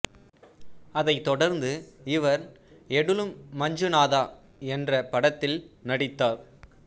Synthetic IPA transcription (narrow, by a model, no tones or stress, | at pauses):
ɐðɐɪt̪ːɔɽɐɾnd̪ɯɪʋɐɾ | ɛɽɯlɯmːɐɲd͡ʒɯnaːðaː | ɛndrɐpɐɽɐt̪ːɪlnɐɽɪt̪ːaːɾ